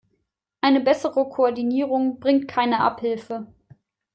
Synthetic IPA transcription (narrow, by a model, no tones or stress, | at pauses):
ʔaɪnəbɛsəʁəkʰoɔɐdiniːʁʊŋb̥ʁɪŋtkʰaɪnəʔa̰phɪlfə